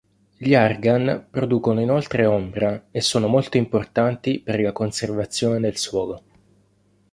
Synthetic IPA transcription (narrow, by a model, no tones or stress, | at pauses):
ʎiarɡanpɾod̪uːkonoinolt̪ɾeombɾaesːoːnomolt̪oimport̪ant̪iperlakonservat̪sːjoːned̪elswɔːlo